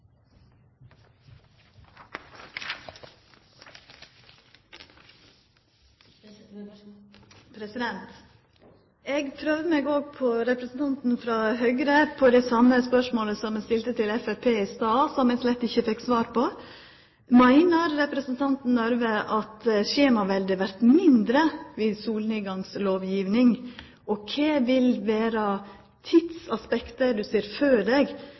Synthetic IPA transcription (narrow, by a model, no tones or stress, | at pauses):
pɾsɪd̪ɛnt̪ | eːɡpʰɾøːʋmeːɡoːɡ̚pʰɔɾɛpɾəsn̩t̪ʰɑnt̪n̩fɾɑːhœʏɡɾəpʰɔd̪ɛsɑmːəspœʂmoːləsɔmɛst̪ɪlt̪ət̪ɪlɛfæpʰeːɪst̪ɑːsɔmɛslɛt̪ːɪçːəfɪksʋɑːɾpʰɔ | mæɪnəɾɾɛpɾəsnt̪ʰɑnt̪n̩nɔɾʋəʔɑt̪ɕeːmɑʋɛld̪ɪʋæɾt̪mɪnd̪ɾəʋɪsuːlniːɡɑŋsloːʋjiːʋnɪŋ | ɔkʰeːʋɪlʋeːɾɑ | t̪ʰɪd̪sɑspɛkt̪əɖ̪ʉsiːɾføːɖɛːɡ